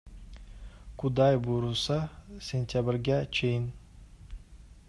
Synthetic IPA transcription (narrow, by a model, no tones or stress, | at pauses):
kʰud̪ɑjbuɾusɑsʲenʲt̪ʲabɪɾɡʲæt͡ʃʰejɪn